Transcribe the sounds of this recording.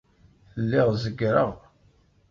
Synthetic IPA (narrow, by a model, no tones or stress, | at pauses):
lːɪʁzəɡɾəʁ